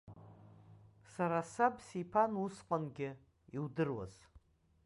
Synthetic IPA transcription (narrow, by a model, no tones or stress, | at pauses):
saɾasabsipʰanusqʼanɡʲɪ | iwdɨrwa̰z̥